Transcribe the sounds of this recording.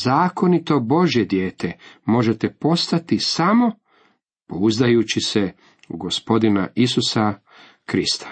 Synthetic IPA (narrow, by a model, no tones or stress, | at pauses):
zaːko̞nit̪o̞bo̞ʒje̞d̪je̞ːt̪emo̞ʒet̪e̞po̞st̪at̪isamo̞ | pouzd̪ajut͡ɕise | uɡospo̞d̪inaisusa | kɾist̪ḁ